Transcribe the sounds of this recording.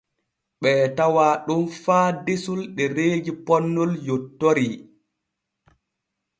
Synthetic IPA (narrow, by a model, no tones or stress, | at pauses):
ɓɛːtawaːɗumfaːdesulɗɛɾeːd͡ʒipɔnːɔljɔtːoɾi